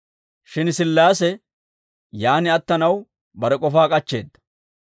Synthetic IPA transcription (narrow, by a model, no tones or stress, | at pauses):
ʃɪnsɪlːaːsɛ | jaːnɪɐt̪ːɐnɐw | bɐɾɛkʼɔfaːkʼɐt͡ʃːe̞̰ːd̪ːɐ̥